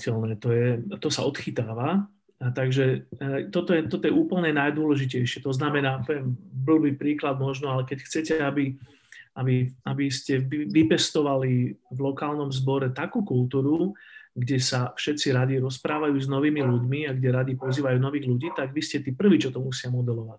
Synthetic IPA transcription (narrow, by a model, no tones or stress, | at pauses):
cɛlnɛːt̪ɔjɛt̪ɔsaɔt̪xit̪aːʋa | t̪aɡʒɛt̪ɔt̪ɔjɛt̪ɔt̪ɔjɛuːpl̩ɲɛnajd̪ʊɔlɛʒicɛjʃɪɛt̪ɔznamɛnaːpɔjɛmbl̩bipɾiːklad̪mɔʒnɔalɛkɛcxt͡sɛcɛabi | abiabiscɛiʋipɛst̪ɔʋalivlɔkaːlnɔmzbɔɾɛt̪akuːkult̪uːɾuɡɟɛsafʃɛt͡siɾad̪iɾɔspɾaːʋajuːznɔʋiːmiluɟmiaɡɟɛɾad̪ipɔziːʋajuːnɔʋiːɣluɟiːt̪aɡʋiscɛt̪iːpr̩ʋiːt͡ʃɔt̪ɔmusɪamɔd̪ɛlɔʋac